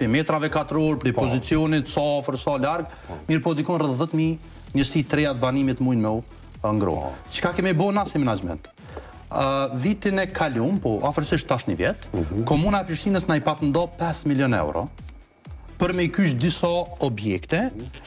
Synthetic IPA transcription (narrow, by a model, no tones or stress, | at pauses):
pɾimɛt̪ɾavɛkat̪əɾɔɾpɾipɔzit͡siɔnit̪safəɾsalaɾɡ | miɾpɔd̪ikɔnrəððət̪mi | ɲəsit̪ɾɛjat̪vanimit̪mujnmɛu | ŋɡɾɔ̰t͡ʃə̥kakɛmibɔnasimɛnad͡ʒmɛ̰nt̪ | vit̪inɛkʰalumpɔʔafəɾsiʃt̪ːaʃnivjɛt̪kɔmunaɛpɾiʃt̪inəsnajpat̪ənd̪ɔpɛsmiljɔnɛ̰wɾɔ̰ | pəɾmɛjkyʃd̪isaɔbjɛkt̪ɛ